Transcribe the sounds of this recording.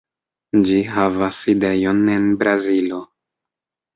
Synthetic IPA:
d͡ʒiɦavaside̞jo̞ne̞nbɾazilo̞

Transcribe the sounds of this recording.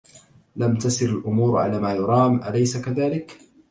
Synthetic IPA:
lamt̪asɪɾalʔʊmuːɾʕa̰laːmaːjʊɾˤɑːmʔa̰lajsakaðaːlɪk

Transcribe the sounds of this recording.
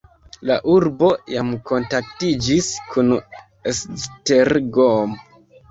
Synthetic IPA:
laʔuɾbo̞jamko̞ntak̚tid͡ʒiskʰun | esteɾɡom

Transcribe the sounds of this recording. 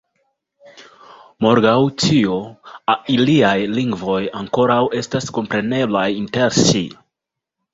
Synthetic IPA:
mo̞ɾɡawtioailiajliŋɡvo̞jaŋko̞ɾawe̞stasko̞mpɾe̞ne̞blajinte̞ɾsḭ

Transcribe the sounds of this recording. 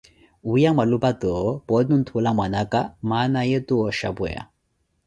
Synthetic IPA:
ujamalubat̪ɔpɔd̪nunt̪ʰolamanakamanajet̪uɔɕa̰bɔja̰

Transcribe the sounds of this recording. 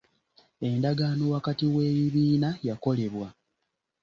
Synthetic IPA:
e̞ndaɡaːnowakatiwe̞ːβiβiːnajako̞le̞βwa

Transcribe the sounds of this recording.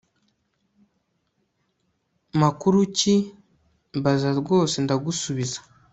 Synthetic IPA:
makuɾuci | βazaɾɡo̞ːse̞ndaɡusuβizḁ

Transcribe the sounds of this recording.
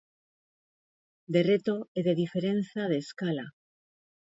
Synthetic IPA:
d̪e̞re̞t̪o̞eðe̞ðife̞ɾe̞nθað̞e̞ːskala

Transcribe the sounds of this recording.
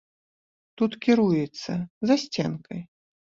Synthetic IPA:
t̪ut̪kʲiɾujɛt̪sːɐzasʲt͡sʲɛnkɐj

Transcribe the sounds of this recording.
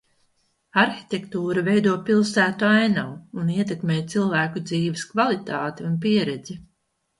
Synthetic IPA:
aɾxi̥t̪ʲekt̪uːɾavejd̪uɔpilˠsæːt̪uajnawuniɛt̪̬ekmeːjt̪silˠvæːkud̪ziːvɛskvalˠit̪aːt̪iunpiɛɾɛd̪zi

